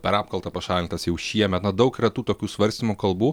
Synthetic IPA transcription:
pʲɛɾɑːpkɐlˠt̪ɐpɐʃɑːlʲɪnt̪ɐsjɛʊʃʲiɛmʲɛt̪nɐd̪ɐʊkɪɾɐt̪uːt̪oːkʲuːsʋɐɾʲsʲt̪ʲɪmukɐlˠbuː

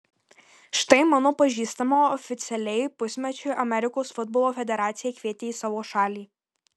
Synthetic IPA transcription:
ʃt̪ɐɪmɑːnoːpɐʒʲiːst̪ɐmoːɔfʲɪt̪sʲɛlʲɛɪpʊsʲmʲɛt͡ʃʲʊɪʔɐmʲɛɾʲɪkoːsfʊd̪̚boːlˠoːfʲɛd̪ʲɛɾɑːt̪sʲɪjɛːkʋʲiɛt̪ʲeːiːsɑːʋoːʃɑːlʲiː

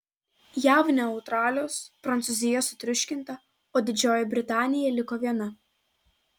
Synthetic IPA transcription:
jæːʋnʲɛɐʊt̪ɾɑːlʲoːspɾɐnt̪sʊzʲɪjɛsʊt̪ʲɾʲʊʃʲkʲɪnˑt̪ɐ | oːd̪ʲɪd͡ʒʲoːjɛbʲɾʲɪt̪ɑːnʲɪjɛlʲɪkoːʋʲiɛnɐ

